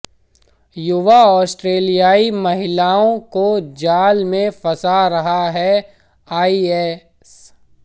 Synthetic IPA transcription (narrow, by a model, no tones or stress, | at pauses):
jʊʋaɔːsʈɾeːlijaːimɐɦɪlaːõkod͡ʒaːlmẽfɐsaɾɐɦaɦɛ | aːiɛː | s